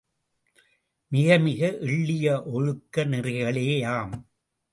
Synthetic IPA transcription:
mɪɣɐmɪɣɐʔɪɭːɪjɐʔɔɻɯkːɐnɪrɪɣɐɭeːjaːm

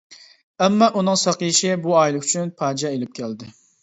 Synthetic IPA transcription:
ɛmːɑʔunɨŋsɑqiʃɪbuɑːjilˠɨyt͡ʃʰynpʰɑːd͡ʒɑelɪp̚kʲʰɛld̪ɪ

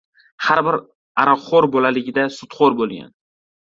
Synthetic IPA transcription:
haɾbɪɾ | aɾɒχoɾbɒlalɪɡʲɪd̪asʊt̪χoɾbolˠɡʲa̰n

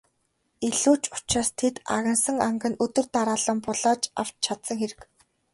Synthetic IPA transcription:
iɮuːt͡ɕʊ̥t͡ɕraːst̪ʰet̪a̰ɣə̆nsə̆ŋaŋɡə̆nɵt̪ɵ̆rt̪aɾaːɮə̆mpʊɮaːt͡ɕa̰w̥t͡ɕt͡ɕʰat̪sə̆ŋxeɾɘ̆k

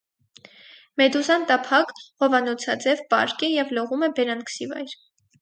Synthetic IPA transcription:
mɛd̪uzɑnt̪ɑpʰɑkhɔvɑnɔt͡sʰɑd͡zɛvpɑ̰ɾkɛjɛvlɔʁumɛbɛɾɑnkʰə̥sivɑ̰jɾ

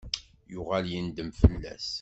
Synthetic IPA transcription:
jʊʁæljind̪əmfəlːæ̰s

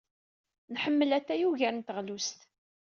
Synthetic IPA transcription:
nħəmːəlæt̪ːæjuʝæɾnt̪əʁlust̪

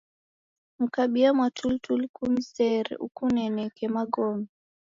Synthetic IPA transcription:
m̩kaɓiamwatʰultulkumisɛɾɛ̰ʔṵkunɛnɛkɛmaɡɔmi

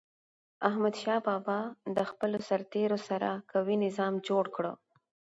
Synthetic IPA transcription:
ahmad̪ʃɑbɑbɑd̪əxpəlosaɾt̪eɾosaɾakawinɪzɑmd͡ʒoɽkɽə̰

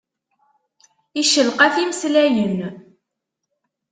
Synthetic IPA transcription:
iʃəlqæθiməslæjən

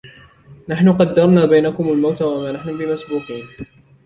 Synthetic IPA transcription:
naħnʊqɑd̪ːɑɾˤnaːbajnakʊmalmawt̪awamaːnaħnʊbɪmasbuːqiːn

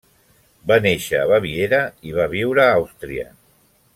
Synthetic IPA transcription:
baneʃəːβaβieɾəiβ̞aβ̞iwɾəawst̪ɾiə̰

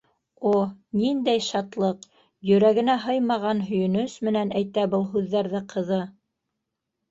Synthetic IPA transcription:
onind̪æjʃɑt̪lˠɤq | jɵ̆ɾæɡɘ̆næɦɤjmɑʁɑnɦɵ̆jɵ̆nɵsmɘ̆nænæjt̪æbɤlˠɦʉðːæɾðɘqʰɤ̆ðɤ

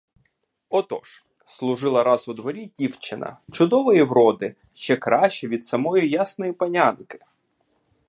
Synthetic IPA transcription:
ɔt̪ɔ̰ʃ | slˠʊʒɪlˠɐɾɑzʊd̪ʋɔɾʲidʲiwt͡ʃɪnɐ̰t͡ʃʊd̪ɔʋɔjiwɾɔd̪ɪ | ʃt͡ʃɛkɾɑʃt͡ʃɛʋʲid̪sɐmɔjijasnɔjipɐnʲankɪ̥

